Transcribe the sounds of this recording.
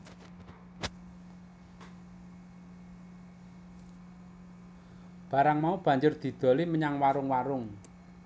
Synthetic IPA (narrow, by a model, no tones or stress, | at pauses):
b̥a̤ɾaŋmaub̥ä̤ɲd͡ʒʊrd̪̥i̤d̪̥o̤liməɲaŋwaɾʊŋwaɾʊŋ